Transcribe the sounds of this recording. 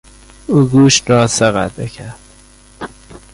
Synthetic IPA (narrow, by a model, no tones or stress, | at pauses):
uːɡuːʃt̪ɾɒːsæɣæ̰d̪ecʰæɾd̪̥